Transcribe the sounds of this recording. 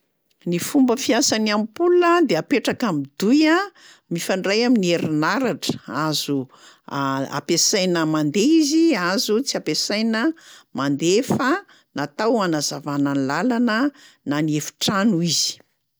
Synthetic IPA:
nifumbəfiasanamipuluəd̪eapeʈ͡ʂakamid̪uja | mifaɳɖ͡ʐajaminieɾinaɾaʈ͡ʂə̥azu | a̰pesajnəmand̪eiziazut͡siapesajnəmand̪efə | nat̪awanazavanənilalanə | naniefu̥ʈ͡ʂanuiz̥i̥

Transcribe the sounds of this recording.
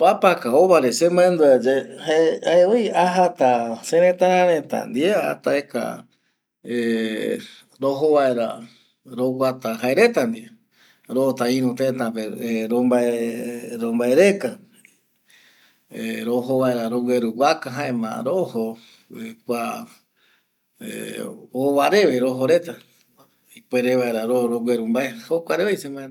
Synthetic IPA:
papakaoβaɾesemõẽnd̪uad͡ʒehaeaeejaɦat̪asẽɾẽt̪ãɾãɾẽt̪a̰nd̪iea̰t̪aeka̰ | e | ɾoɦoβaeɾa | ɾowat̪ahaeɾe̞t̪and̪i | ɾoot̪aĩɾũt̪et̪apeɾombaeɾombaeɾeka | eɾoɦoβaeɾaɾoɡʷeɾuwʷakaɦãẽmã̰ɾoho | ekʷa | ḛoβaɾe̞ʋeɾoɦoɾe̞t̪a | ipʷeɾeβaeɾaɾoɾoɡeɾumbaehokʷaɾeβejsemae

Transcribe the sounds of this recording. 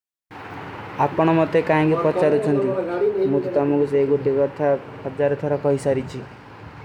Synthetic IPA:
apɔɽ̃ɔmɔt̪ːekaĩŋkipɔt͡ʃaɾut͡ʃʰɔnt̪imut̪ɔt̪ɔmukuseɡoʈikɔt̪ʰapɔd͡ʒaɾɔt̪ʰɔɾɔkɔɦisaɾit͡ʃʰi

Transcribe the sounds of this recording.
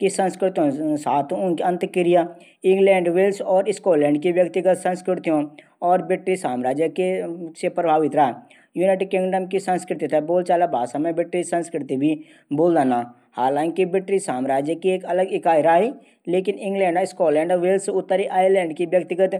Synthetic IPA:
kisɐ̃nskɾɪt̪iɦõsaːt̪ʰnkiɐ̃nt̪kɪɾija | ɪ̃ŋɡlɛ̃ːɳɖʋɪlsɔːɾɪskoːlɛ̃ːɳɖkiʋjəkt̪ɪɡət̪sɐ̃nskɾɪʈt̪iõ | ɔːɾbɪʈɾisaːmɾaːd͡ʒjəkesepɾəbʱaːʋɪt̪ɾaː | juːneːʈɪkɪ̃ŋɡɖəmkisɐ̃nskɾɪt̪it̪ʰɛboːlt͡ʃaːlabʱaːsɐməbɪʈɾisɐ̃nskɾɪt̪ibʱi | boːld̪aːna | haːlãːŋkibɪʈɾisaːmɾaːd͡ʒjəkieːkɐləɡɪkaːjɾaːi | leːkɪnɪ̃ŋɡlɛ̃ːɳɖɪskɔːlɛ̃ːɳɖʋɪlsʊt̪ːəɾiʔaːəɾlɛ̃ːɳɖkiʋjək̚t̪ɪɡət̪

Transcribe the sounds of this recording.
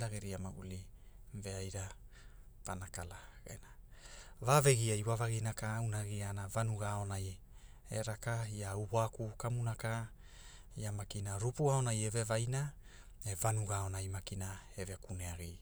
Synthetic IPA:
laɡeɾiamaṵlive̞ajɾa | panakalaɡḛnavaveɡiaiwavaɡinakaunaɡianavanuɡao̞naj | ḛɾakaiauboakukamunaka | jamakinaɾupuaonajeve̞vajna | evanuɡao̞najmakinaevekuneaɡi

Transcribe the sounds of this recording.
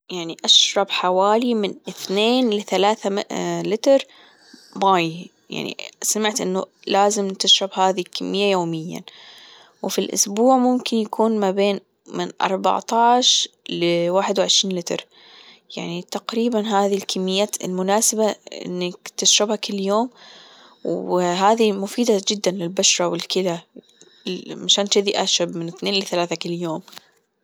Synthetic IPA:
jaʕniʔaʃɾˤɑbħawaːlimɪnʔɪθneːnlɪθalaːθalɪt̪ɾ | maːj | ja̰ʕnḭsamɪʕt̪ʔɪnːʊlaːzɪmt̪ɪʃɾˤɑbhaːðilkamːɪjːajoːmɪjːa̰ | wɪfilʔʊ̰sbuːʕmʊmkɪnjakʰuːnmabeːn | mɪnʔɑ̰ɾˤbɑ̰ʕt̪ˤɑːʃlɪwaːħɪd̪wɪʕɪʃɾiːnlɪt̪ɾ | jaʕnit̪aqɾiːbanɦaːðilkamːɪjːaːt̪ɪ̰lmʊnaːsɪbaʔɪ̰nːakt̪ɪʃɾɑbhakɪlːjoːm | wɦaːðimʊfiːd̪ad͡ʒɪd̪ːanlɪlbaʃɾˤɑwɪlkɪla | maʃaːnt̪ɪðiʔaʃɾabmɪnɪθneːnlɪθalaːθakɪljoːm

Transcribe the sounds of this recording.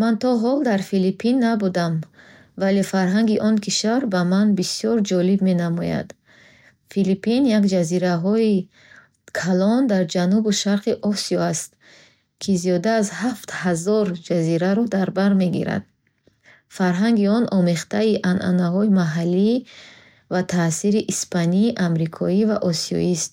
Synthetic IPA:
mant̪ʰɔɦɔld̪aɾfilipʰinːabud̪am | vale̞faɾɦaŋɡiʔɔnkʰiʃvaɾbamanbisiɔɾd͡ʒɔlibme̞namɔja̰d̪̥ | filipinjakd͡ʒaziɾaɦɔi | kʰalɔnd̪aɾd͡ʒanubuʃaɾqiʔɔsiɔast̪ | kʰiziɔd̪aːzhaft̪hazɔɾd͡ʒaziɾaɾɔd̪aɾbaɾme̞ɡiɾa̰d̪̥ | faɾɦaŋɡiɔnʔɔmeχt̪aiʔanʔa̰naɦɔimaɦalːi | vat̪ʰasiɾiʔispʰaniːʔamɾikʰɔivaʔɔsiɔ̰ist̪̚

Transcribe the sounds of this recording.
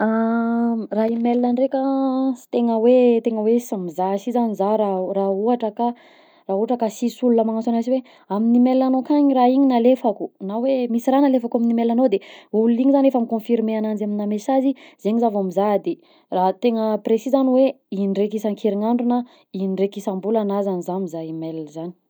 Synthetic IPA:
a | raimelnaɳrekʲəsi̥t̪eŋəwet̪eŋəwesamizasizanizaɾarauaʈ͡ʂəka | rauaʈ͡ʂəkasisulunəmaŋasanaziwe | aminimelnanokaɲiraiɲinalefakunawemisiranalefakaminimelanowd̪eululiŋizanefəmikõfiɾimeanand͡ʒaminamesaziz̥eɲizavamizad̪e | rat̪eŋəpresizaniwe | inirekisaŋkʰeɾiŋaɳɖ͡ʐuna | inrekisambulanazanizamizaimelzani̥

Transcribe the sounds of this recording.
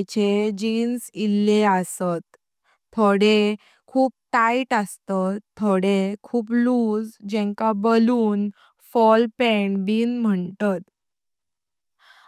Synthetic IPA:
t͡ɕed͡ʑiːnsilːeəsət̪ʰː | oɽe | kʰuːp̚ʈ̪aiʈəst̪əːoɽekʰuːpluːd͡zd͡ʑɛ̃ŋkabəluːn | fɔlpɛɳbiːnm̤əɳt̪ət̪

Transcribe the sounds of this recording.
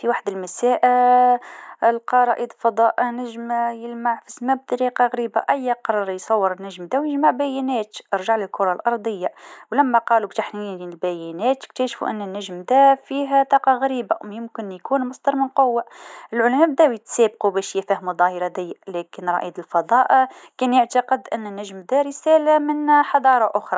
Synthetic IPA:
fiwaħd̪əlmæsæːʔ | lqɑɾˤɑʔid̪lfɑd̪ˤɑːʔnæʒmjəlmaʕfismæb̚d̪ɑɾiːqɑɣæɾiːbaʔæjːæqɑɾˤɑɾˤjsˤɑwːəɾˤənːæʒmd̪æwjəʒmaʕbæjænæːt̪ʔɑɾˤʒaʕləlkʊɾˤɑlʔɑɾˤd̪ˤəjːawlæmːæqɑlukt̪aħninlbæjænæːt̪k̚t̪æʃfṵʔə̰nːənːæʒmd̪æfiːɦæt̪ˤɑːqɑɣæɾiːbamjɪmkɪnjkuːnmɑsˤd̪ɑɾˤmənqʊwːaʔʔɪlʕʊlmæb̚d̪æwit̪sæːb̚qubɛːʃjæfæhmud̪ˤɑːhiɾɑd̪æjːaʔlɛːkənɾˤɑ̰ʔḭd̪əlfɑd̪ˤɑːʔkɛːnjaʕt̪ɑqəd̪ʔɪnːnːæʒmd̪æɾəsæːlamɪnħɑd̪ˤɑːɾˤɑʔʊxɾˤɑ

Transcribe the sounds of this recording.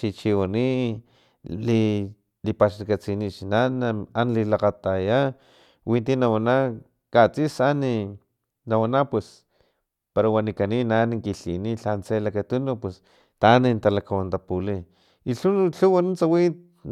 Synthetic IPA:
t͡ʃit͡ʃiwani | li | lipaʃlakat͡sinit͡ʃinanaanlilaqat̪aja | wʔint̪inawana | kat͡sisani | nawanapwes | paɾawanikaninaniŋkiɬḭniɬant͡selakat̪unupwes | t̪anint̪alakawant̪apuli | iɬuɬuwanunt͡sawit̪

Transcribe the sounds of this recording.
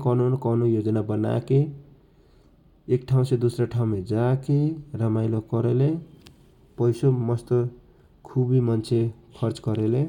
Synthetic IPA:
kʌnunkanujod͡zʌnabʌna̰ke | ekʈʰaw̃sed̪usraʈʰaw̃med͡zakerʌmajlokʌɾele | pʌjsomʌst̪o | kʰubimʌnt͡sʰe | kʰʌrt͡sɡʌɾele

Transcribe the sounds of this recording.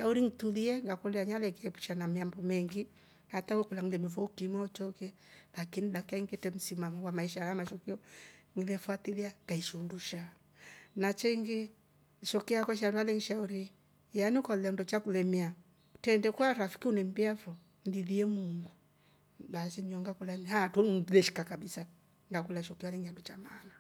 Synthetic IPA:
ʃauɾiŋituðiɛŋɡakolɛaɲalɛkɛɛpu̥ʃanameambɔmɛŋɡi | hatawɛkolaŋilɛmefɔkimaɔt͡ʃɔkɛ | lakinidakaiŋɡetɛm̩simamɔwamaiʃaɾamaʃɔkiɔŋilɛfwatiliaŋɡaiʃonduʃa | nat͡ʃɛiŋɡe | ʃɔkiakɔʃ̬adualɛŋiʃauɾi | janiukɔlandɔt͡ʃakulɛmia | tɛndɛkwaɾafi̥kiunɛm̩biafɔ | ndiðiɛmuŋɡu | basiɲɔŋɡakulanhatulɛʃi̥kakabisa | ŋɡakulaʃɔkialɛŋadɔt͡ʃamaːna

